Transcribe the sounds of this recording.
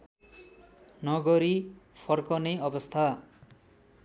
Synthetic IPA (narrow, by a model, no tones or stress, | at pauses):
nʌɡʌɾipʰʌrkʌnejʌbʌst̪ʰa